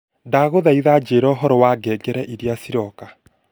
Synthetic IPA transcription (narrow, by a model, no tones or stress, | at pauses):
daɣoðaiðad͡ʒeːɾɔɔɦɔɾɔwaɡɛɡɛɾɛʔiɾiasiɾɔka